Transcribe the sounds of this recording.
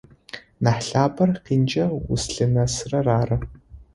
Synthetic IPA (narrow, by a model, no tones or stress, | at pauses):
naħɬaːbɐrqiːnd͡ʒɐwʊ̰sɬɨnɐsrɐraːrɐ